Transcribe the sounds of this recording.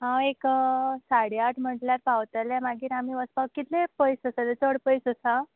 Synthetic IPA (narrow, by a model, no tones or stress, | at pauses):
ɦãeksaɽeaʈʰm̤əʈljaɾpawt̪əljamaɡiːɾamiːʋəspakːit̪lepəjsəsalet͡səɽpəjsəsã